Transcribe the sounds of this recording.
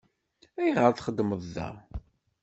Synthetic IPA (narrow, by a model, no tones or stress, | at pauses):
æjʁəɾθχəd̪ːməðˤːæ̰